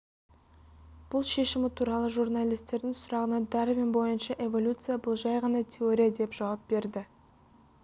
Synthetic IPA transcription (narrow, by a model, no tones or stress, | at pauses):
b̥ʊlˠʃe̞ʃɪmɪt̪ʰuɾɑlˠəʒurnalʲijst̪ːe̞ɾd̪ɪŋsʊɾɑʁənɑd̪arvʲinbo̞jənʃɑʔe̞vo̞lʲut̪sɨjabʊlˠʒɑjʁɑnɑt̪ʲʰeoɾʲijad̪e̞pʒ̥ɑwɑp̚be̞ɾd̪ɪ